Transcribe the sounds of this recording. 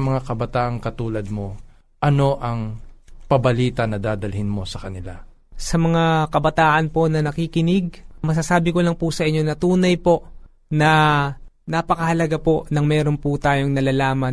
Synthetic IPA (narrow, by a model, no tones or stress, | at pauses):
mɐŋakɐbɐt̪aːʔɐŋkɐt̪uːlɐd̪̚mo̞ | ʔɐno̞ʔɐŋpɐbɐliːt̪ɐnɐd̪aːd̪ɐlhɪnmo̞sɐkɐnɪla̰ | sɐmɐŋakɐbɐt̪aːʔɐnpo̞nɐnɐkikɪnɪɡ̚mɐs̬asaːbɪko̞lɐŋpʊsɐʔɪɲːonɐt̪uːnɐjpo̞ʔ | nɐ | napɐkɐhɐlɐɡapo̞ʔnɐŋmɛːɾo̞nput̪aːjo̞ŋnɐlaːlaːmɐ